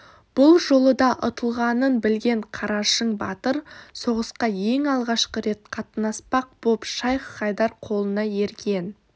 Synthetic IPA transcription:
b̥ʊlˠʒo̞lˠəd̪ɑʔʊt̪əlˠʁɑnənbɪlɡʲe̞ɴqʰɑɾɑʃəɴbɑ̰t̪əɾso̞ʁəsqɑje̞ŋɑlˠʁɑʃqəɾe̞t̪qʰɑt̪nɑspɑq̚b̥opʃɑjqqɑjd̪ɑɾqʰo̞lˠənɑjeɾɡʲe̞n

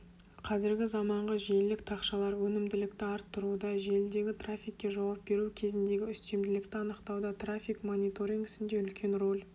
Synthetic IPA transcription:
qʰɑzɪɾɡʲɪzɑmɑɴʁəʒe̞ld̪ɪk̚t̪ʰɑqʃɑlˠɑɾwɵnɪmd̪ɪlɪk̚t̪ɪɑɾt̪ʰːʊɾud̪ɑʒe̞ld̪e̞ɡʲɪt̪ʰrafʲijkʲːe̞ʒɑwɑp̚be̞ɾukʲʰe̞zɪnd̪e̞ɡʲɪʏst̪e̞md̪ɪlɪkt̪ɪɑnəqt̪ɑwd̪ɑt̪rafʲikmo̞nijt̪o̞ɾʲiŋɡɪsɪnd̪e̞ʏlkʲʰe̞nro̞l

